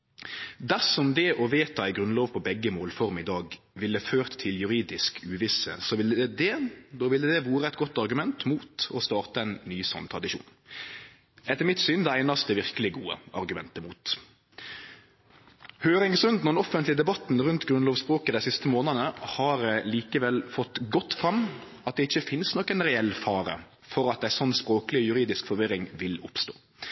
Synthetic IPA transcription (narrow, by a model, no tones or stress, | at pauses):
d̪æsɔmd̪ɛʔɔʋeːt̪ɑæɪɡɾʉnloːʋpʰɔbɛɡːəmoːlfɔʁmɪd̪ɑːɡ | ʋɪlːəføːʁt̪ʰːɪljʉɾiːd̪ɪskʉːʋɪsə̰sɔʋɪlɛd̪ɛd̪oːʋɪlɛd̪ɛʋuːɾəɛt̪ɡɔt̪ːɑɾɡʉmɛnt̪muːt̪ɔst̪ɑːʁt̪əæɪnːyːsɔ̰nt̪ʰʁɑd̪ɪʃṵːn | ɛt̪əmɪt̪sʏnd̪ɛæɪnɑst̪əʋɪʁkəlɪɡuːə̰ɑ̰ɾɡʉmɛ̰nt̪əmuːt̪ | høːɾɪŋsɾʉnt̪nɔnɔfənt̪lɪd̪ɛbɑt̪nʁʉnt̪ɡɾʉnloːʋspʁoːkəd̪æɪsɪst̪əmoːnənəhɑɾliːkəʋɛlfɔt̪ːɡɔt̪ːfʁɑmː | ɑt̪̚d̪ɛɪçːəfɪnsnɔkːənʁɛɛlːfɑːɾə̰ | fɔɾɑt̪̚d̪æɪsɔnːspɾoːkəlɪjʉɾiːd̪ɪskfɔɾʋɪɾɪŋʋɪlʊpst̪o̰ː